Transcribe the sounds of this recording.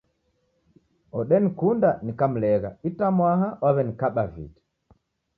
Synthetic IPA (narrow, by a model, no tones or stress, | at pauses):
ɔɗɛnikundanikam̩lɛɣa̰itamwaɦawaβɛnikaɓavḭti̥